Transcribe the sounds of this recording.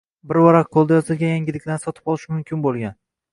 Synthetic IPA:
bɪɾwɒɾaqqʰolˠd̪ajɒzɪlɡʲajaŋɡʲɪlɪkʲlansɒt̪ʰɪbɒlˠɪʃmʊmkʲʰɪnbolˠɡʲan

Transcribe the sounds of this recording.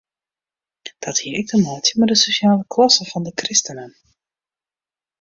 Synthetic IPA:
d̥ɑthiəɾɪɡ̚dəmɔːtjəmədəsoʃjaːləkʰlɑsəvɑndəkrɪstənən

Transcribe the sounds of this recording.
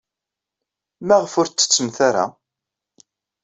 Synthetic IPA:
mæʁfʊɾt͡sːə̥t͡sːəmθaɾa̰

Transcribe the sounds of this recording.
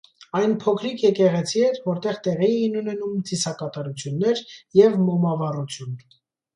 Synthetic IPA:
ɑjnpʰɔkʰɾikʰjɛkɛʁɛt͡sʰiɛt̪vɔɾt̪ɛʁt̪ɛʁiɛinunɛnumt͡sisɑkɑt̪ɑɾut͡sʰjunːɛɾjɛvmɔmɑvɑrut͡sʰjun

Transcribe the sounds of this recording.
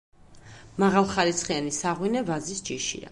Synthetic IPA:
maʁalˠχaɾit̪sʰχianisaʁwinɛvazisd͡ʒiʃḭa̰

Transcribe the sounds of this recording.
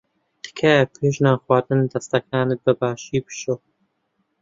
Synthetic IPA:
d̪̥ɨ̥kʰɐpʰeːʒnaːxwaːd̪ɨnd̪ɐst̪ɐkʰaːnɨbɨbaːʃiːbɨ̥ʃoː

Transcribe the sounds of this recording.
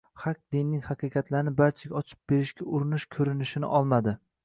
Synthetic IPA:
χaq̚d̪ɪnːɪŋhɑqɨqɑt̪ʰlaɾnɪbaɾt͡ʃʰaɡʲaɒt͡ʃʰɪ̥p̚be̞ɾɪʃkʲaʊɾɪnɪʃkʲʰɵɾɪnɪʃɪnɪ̰ʔɒlˠmad̪ɪ

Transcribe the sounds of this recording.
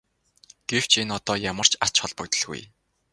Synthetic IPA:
ɡ̥ew̥t͡ɕʰinɔt̪ɔːjamə̆r̥t͡ɕar̥t͡ɕχɔɮpɵ̆kt̪ə̆ɮɣṵj

